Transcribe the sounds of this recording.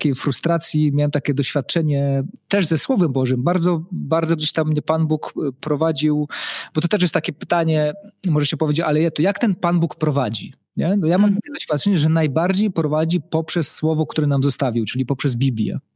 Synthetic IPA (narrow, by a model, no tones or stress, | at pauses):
t̪akʲejfɾust̪ɾat̪sʲjimjawɛmt̪akʲɛd̪ɔɕfʲjat̪̚t͡ʂɛɲɛt̪ɛʐzɛswɔvɛmbɔʐɘmbaɾd̪zɔbaɾd̪zɔɡd͡ʑeɕt̪amːɲɛpanbukpɾɔvad͡ʑiwb̥ɔt̪ɔt̪ɛʂ̬jɛst̪t̪akʲɛpɘ̥t̪aɲɛmɔʐɛɕɛpɔvʲed͡ʑet͡ɕalɛjɛt̪ɔjakt̪ɛnpanbukpɾɔvad͡ʑi | ɲɛnɔjamamt̪akʲɛd̪ɔɕfʲjat̪̚t͡ʂɛɲɛʐɛnajbaɾd͡ʑejpɾɔvad͡ʑipɔpʂɛsːwɔvɔk̚t̪uɾɛnamzɔst̪avʲiwt͡ʂɘlʲipɔpʂɛzbʲiblʲjɛ̰